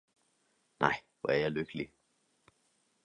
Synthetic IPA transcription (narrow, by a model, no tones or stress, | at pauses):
nʔa̰j | ɔ̰ɛ̰ɾjalʏkli